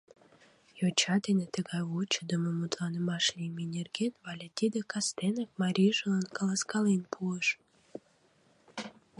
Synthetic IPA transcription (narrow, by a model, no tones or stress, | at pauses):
jot͡ɕɑd̪enet̪əɣɑjwot͡ɕəd̪əməmut̪lɑnəmɑʃlʲiminʲerɡenvɑlʲet̪ʲid̪ekɑst̪enɑk̚mɑɾʲiʒəlɑnkɑlɑskɑlenpʰuəʃ